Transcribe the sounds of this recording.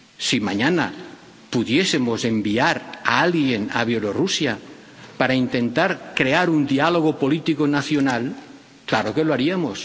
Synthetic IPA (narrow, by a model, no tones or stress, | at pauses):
simaɲana̰ | puðje̞se̞mo̞se̞mbiaɾa̰alɣje̞naβ̞jelo̞rusja | paɾaint̪e̞nt̪aɾkɾe̞aɾund̪ialo̞ɣ̞opo̞lit̪ikonaθjo̞nal | klaɾo̞ke̞loaɾiamos